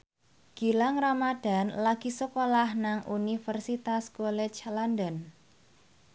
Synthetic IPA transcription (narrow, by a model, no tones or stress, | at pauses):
ɡ̥i̤laŋramad̥a̤nlaɡ̥i̤səkolahnaŋʔunifərsit̪askɔlɛt͡ʃlandən